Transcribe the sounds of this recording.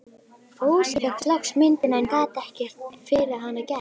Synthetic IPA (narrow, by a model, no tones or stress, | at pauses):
foːwsɪkɛt̪laksmɪnt̪ɪnaɛnkaːt̪ɛhcɛr̥t̪fɪɾɪaɦanːacɛ